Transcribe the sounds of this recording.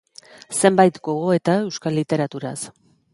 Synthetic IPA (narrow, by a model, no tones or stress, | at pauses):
se̞mbajt̪ɡo̞ɣ̞o̞e̞t̪ae̞wskalːit̪e̞ɾat̪uɾa̰s